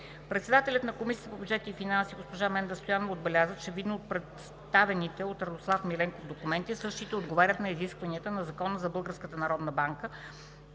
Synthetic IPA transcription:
pɾɛt̪sɛd̪at̪ɛlʲɐt̪nɐkomisiət̪əpobʲjud͡ʒɛt̪iifinansiɡospoʒamɛnd̪əst̪ojanovoːd̪̚bɛlʲazət͡ʃɛvid̪noot̪̚pɾɛt̪s | t̪avɛnit̪ɛot̪ɾɐd̪oslˠafmilɛŋkovd̪okumɛnt̪isɤʃt̪it̪ɛod̪ɡovaɾʲət̪nɐiziskvɐniət̪ənɐzɐkɔnəzɐbɤlˠɡəɾskət̪ənɐɾɔd̪nəbaŋkə

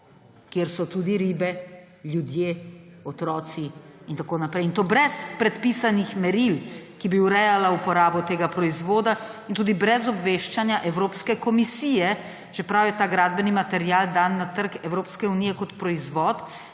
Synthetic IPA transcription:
kjeɾsɔt̪uːd̪iɾiːbɛ | ljud̪jeːɔt̪ɾɔːt̪siːnt̪akoːnapɾɛjint̪oːbɾɛspɾɛt̪pisanixmɛɾilkibiuɾɛjalaupɔɾaːbɔt̪eːɡapɾɔizʋoːd̪a | int̪uːd̪ibɾɛzɔbʋeːʃt͡ʃanjaʔɛwɾoːpskɛkɔmisiːjɛ | t͡ʃɛpɾawjɛt̪aːɡɾaːd̪̚bɛnimat̪ɛɾjaːld̪aːnːat̪əɾkɛwɾoːpskɛunijɛkɔt̪pɾɔizʋɔːt̪

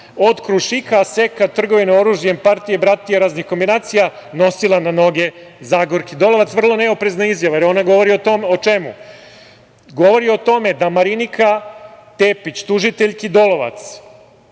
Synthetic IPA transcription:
ot̪kɾuʃikasekat̪r̩ɡo̞ʋinoo̞ɾuʒjempaɾt̪ijebɾat̪ijaɾaːznixko̞mbinaːt̪sijano̞silˠanano̞ɡezaːɡoɾkid̪o̞lo̞ʋat̪sʋr̩lˠo̞ne̞opɾe̞znaizjaʋajeɾo̞naɡo̞ʋo̞ɾioomot͡ʃe̞mu | ɡo̞ʋo̞ɾio̞t̪o̞me̞d̪amaɾinikʰat̪eːpit͡ɕt̪uʒit̪e̞ʎʲkid̪o̞lo̞ʋa̰t̪s

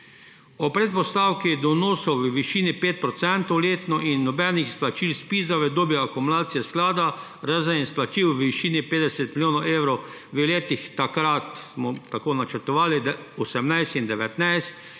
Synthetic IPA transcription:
ɔpɾɛt̪̚pɔst̪awkid̪ɔnɔːsɔwʋəʋiʃiːnipeːt̪̚pɾɔt̪sɛnt̪ɔwleːt̪nɔʔinːɔbɛnixsplat͡ʃiːlspiːzaʋɛd̪oːbjɛakumʊlaːt̪sijɛsklaːd̪a | ɾazəninsplat͡ʃiwʋiʃiːnipeːd̪ɛsɛt̪milʲjoːnɔeːwɾɔw | ʋɛleːt̪ixt̪akɾat̪smɔt̪akoːnat͡ʃəɾt̪ɔʋaːlid̪ | ɔsɛmnajst̪ind̪ɛʋɛt̪najst̪̚

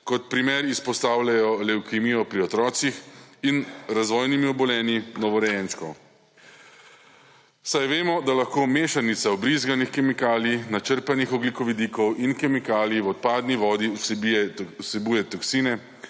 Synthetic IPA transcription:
kɔt̪̚pɾimeːɾispɔst̪aːwlʲajɔlɛwkimijɔpɾiɔt̪ɾɔːsixinɾazʋɔːjnimiɔbɔlɛːninɔʋɔɾɛjɛnt͡ʃkɔ̰ | sajʋeːmɔd̪alaxkoːmeːʃanit̪saɔbɾizɡanixkɛmikaːlinat͡ʃəɾpanixɔɡlikɔʋid̪iːkɔwinkɛmikaːljiwɔt̪̚paːd̪niʋɔːd̪is | sɛbujɛt̪ɔksinɛ

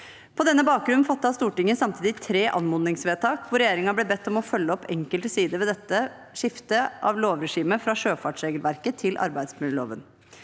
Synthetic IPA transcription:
pʰɔd̪ɛnːəbɑːk̚ɡɾʉnnfɑt̪ːɑst̪uːʈɪŋːənsɑmt̪ʰiːd̪ɪt̪ʰɾeːʔɑ̰nmɔnɪŋsʋeːt̪ʰɑːkʋʊɾɛjeːɾɪŋɑblɛbɛt̪ːɔmɔfœlːəɔpːɛŋkəlt̪əsiːd̪əʋɛːd̪ɛt̪ːə | ʂɪft̪əʔɑ̰ʋloːʋɾɛʂiːməfɾɑʂøːfɑʈʂɾeːɡəlʋæɾkət̪ʰɪlʔɑ̰ɾbæɪd̪smʉlo̰ːʋən

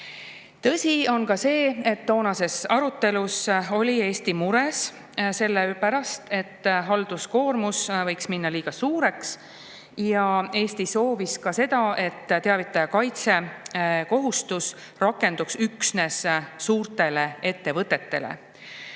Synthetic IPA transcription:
t̪ɤ̞sʲio̞nkɑse̞ːe̞t̪ːo̞ːnɑse̞sɑɾut̪ːˑe̞luso̞lʲie̞ːst̪imuɾe̞s | se̞lːepæɾɑst̪e̞t̪ːɦɑld̪usko̞ːrmusvɤ̞jksminːɑliːɡ̥ɑsuːɾe̞ks | jɑe̞ːst̪iso̞ːviskɑse̞d̪̥ɑe̞t̪ːt̪e̞ɑvit̪ːˑɑjɑkɑjt̪se̞ko̞ɦust̪us | rɑkːˑe̞nd̪̥uksyksne̞ssuːrt̪e̞le̞e̞t̪ːe̞vɤt̪ːˑe̞t̪ːe̞̰lḛ

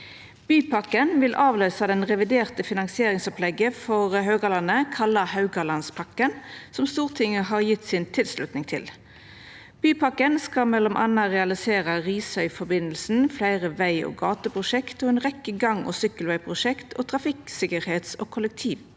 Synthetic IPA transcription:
b̥yːpʰɑkənʋɪlʔɑːʋløːsɑd̪ɛnʁɛʋɪd̪eːʁt̪əfɪnɑŋsɪeːʁɪŋsɔplɛɡəfɔʁɦøːɡɑlɑnəkʰɑlɑhɑʉɡɑlɑnspʰɑkənsɔmst̪uːʁt̪ʰɪŋːəɦɑːʁjɪt̪ːsɪːnt̪ʰɪlslʉt̪nɪŋt̪ʰɪl | b̥yːpʰɑkənskɑmɛlːɔmʔɑ̰nːɑʁɛɑlɪseːʁɑʁiːsœʏfɔbɪnəlsn̩flæɪʁəʋæɪo̰ːɡɑːt̪əpʰʁʊʃɛkt̪oːeːnʁɛkːəɡɑŋo̰ːsʏkːəlʋæɪpʰʁʊʃɛkt̪ʰoːt̪ʰʁɑfɪksɪkəɾheːt̪so̰ːkʰʊlɛk̚t̪ʰiːʋ

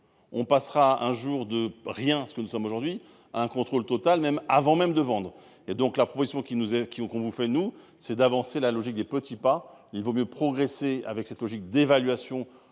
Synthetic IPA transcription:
ɔ̃pasχaɛ̃ʒuʁd̪əʁjɛ̃sə̥kənusɔmoʒuʁd̪ɥi | aɛ̃kɔ̃t̪χolt̪ɔt̪almɛmavɑ̃mɛmd̪əvɑ̃d̪ʁ | ed̪ɔ̃klapχɔpozisjɔ̃kʲinuzɛkʲkɔ̃vufɛnu | sɛd̪avɑ̃selalɔʒik̚d̪epət̪ipa | ilvomjøpχɔɡʁesea̰vɛksɛt̪lɔʒik̚d̪evalɥasjɔ̃

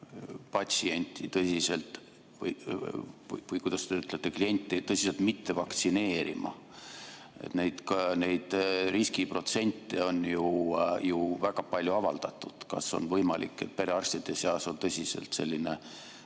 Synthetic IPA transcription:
pɑt̪ʲsie̞nʲt̪ʲːˑit̪ɤsʲise̞lt̪ˑ | vɤj | vɯjkujd̪̥ɑst̪d̪eyt̪ːˑlet̪ːˑeklie̞nʲt̪ːˑet̪ɤsʲiselt̪mit̪ːe̞vɑkt̪sine̞ːɾḭmɑ̰ | ḛt̪ne̞jd̪kɑne̞jd̪̥riskipro̞t̪se̞nʲt̪ːˑe̞o̞njujuvæɡ̥ɑpɑlʲjuɑvɑld̪̥ɑt̪ˑːud̪̥kɑ̰so̞̰nvɤjmɑlḭkːˑe̞̰t̪̚peɾeɑrsʲt̪id̪eseɑso̞nt̪ɤsʲisḛlt̪se̞lʲːine̞

